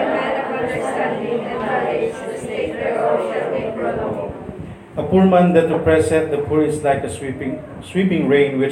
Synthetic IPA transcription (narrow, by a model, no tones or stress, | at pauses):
sãndĩase | əpuɹmãnd̪ɛtəpɹɛsɛt̚dəpʰuɹɪslaɪkə | swipɪ̃ŋɹẽnwɪ